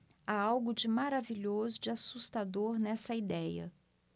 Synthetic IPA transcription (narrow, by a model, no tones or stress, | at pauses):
aawɡʊd͡ʒɪmaɾaviʎozʊd͡ʒɪasust̪ad̪oɾnɛsɐid̪ɛjɐ̰